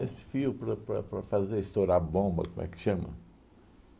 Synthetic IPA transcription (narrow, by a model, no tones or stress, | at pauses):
esɪ̥fiupɾɐpɾɐpɾɐfazeɾist̪oɾabõbɐ̰kõmʔɛ̰kʃɐ̃mɐ̰